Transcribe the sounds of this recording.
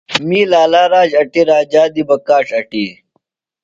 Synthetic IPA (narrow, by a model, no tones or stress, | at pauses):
miːlaːlaːɾaːd͡ʑɐʈiɾaːd͡ʑaːd̪ibɐkaːʂɐʈiː